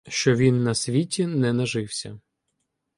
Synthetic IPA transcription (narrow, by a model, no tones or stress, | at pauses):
ʃt͡ʃɔʋʲinːɐsʲʋʲitʲinɛnɐʒɪwsʲɐ